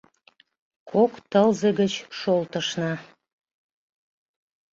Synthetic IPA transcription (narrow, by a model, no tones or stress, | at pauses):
kʰokt̪əlzeɡət͡ɕʃolt̪əʃnɑ